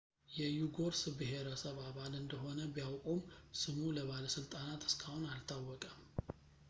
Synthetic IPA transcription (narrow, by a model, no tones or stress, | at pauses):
jɛjuɡo̞ɾsbɨɦe̞ɾəsəβaβalɨnd̪əɦo̞nəbijawkʼumsɨmuləβaləsɨlt̪ʼanat̪ʰɨ̥skʰahunalt̪ʰawːɔkʼəm